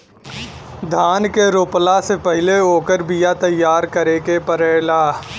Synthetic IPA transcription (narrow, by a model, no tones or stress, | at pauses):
d̪ʱaːnkeɾoːplasepəɦɪleoːkəɾbijat̪ɐjːaːɾkəɾekepəɾeːlaː